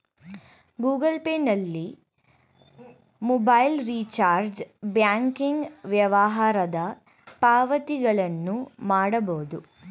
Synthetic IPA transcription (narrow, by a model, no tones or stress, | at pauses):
ɡuːɡɐlpeːnɐlːi | mɔbɐjlɾiːt͡ʃaːɾd͡ʒbjaːŋkiŋɡʋjɐʋɐɦaːɾɐd̪ɐ | paːʋɐt̪iɡɐɭɐnːumaːɽɐboːd̪u